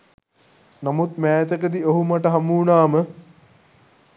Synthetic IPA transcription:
namut̪̚mæːt̪əkəd̪ioɦumaʈəɦɐmuːnaːmə

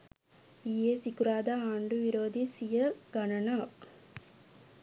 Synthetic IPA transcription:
iːeːsikuɾaːd̪aaːɳɖuʋiɾoːd̪isijɐɡɐɳɐnaːk

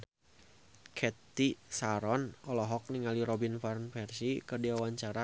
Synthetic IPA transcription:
kʰɛt̪isaɾɔnɔlɔɦɔk̚niŋaliɾɔbinfarnfɛrsikɨrdiawaɲt͡ʃaɾa

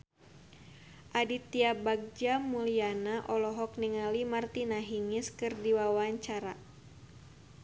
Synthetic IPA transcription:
ʔadit̪iabaɡ̚d͡ʒamulianaʔɔlɔɦɔkniŋalimart̪inaɦiŋɪskɨrdiwawaɲt͡ʃaɾa

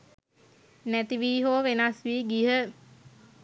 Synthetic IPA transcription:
næt̪iʋiːɦoːʋenasʋiːɡiɦə

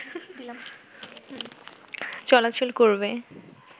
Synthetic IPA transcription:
t͡ɕɔlat͡ɕʰulkoɹbe

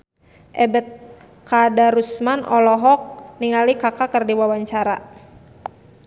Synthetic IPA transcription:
ʔɛbɛt̪̚ | kadaɾusmanɔlɔɦɔk̚niŋalikakakərdiwawaɲt͡ʃaɾa

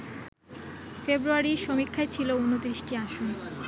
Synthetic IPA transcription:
febɾuaɾiʃomikʰːaet͡ɕʰilounot̪ɾiʃʈiaʃon

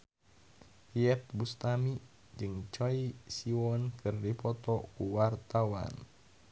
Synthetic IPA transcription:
iɛt̪̚bust̪ami | d͡ʒɨŋt͡ʃɔisiwɔnkʰɨrdipɔt̪ɔkuwart̪awa̰n

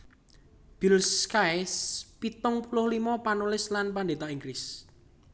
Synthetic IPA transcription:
b̥ilskajspit̪ʊŋpulʊhlimɔpanulɪslanpand̪et̪aiŋɡɾɪs

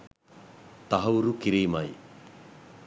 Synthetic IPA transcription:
t̪aɦɐwɾukiɾiːmaj

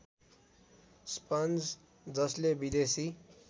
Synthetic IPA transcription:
spʌnd͡z | d͡zʌslebid̪esi

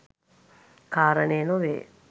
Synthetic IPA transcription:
kaːɾəneːnoʋḛː

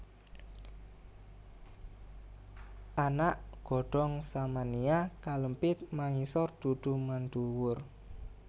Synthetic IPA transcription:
ʔanaʔɡ̥ɔ̤ɖ̥ɔ̤ŋsamaniakaləmpɪt̪̚maŋisɔrd̪̥ṳd̪̥ṳmand̪uwʊr

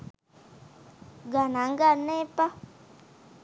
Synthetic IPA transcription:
ɡanaŋɡanɛpa

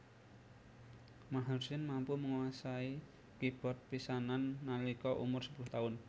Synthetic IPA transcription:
maɦarsɪnmampuməŋwasai | kib̥ɔ̤t̪̚pisananːalikɔʔṵmʊrsə̥pulʊht̪aʊn

